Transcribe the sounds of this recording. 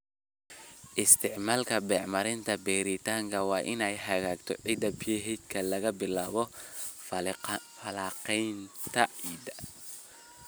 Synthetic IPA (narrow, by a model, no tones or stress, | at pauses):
ʔɪst̪ʰɪʕmaːlkʰɐbɛːʕmɐɾɪnt̪ʰɐbɛːɾɪt̪ʰaːŋkʰɐwɑːʔɪnɛjɦɐɣaːɡt̪ʰɔ̰ʕid̪ɐbjɛɦɛd̪kʰɐlɐɣɐbɪlaːβɔffɐlaːqɛjnt̪ʰɐʕiːd̪ɐ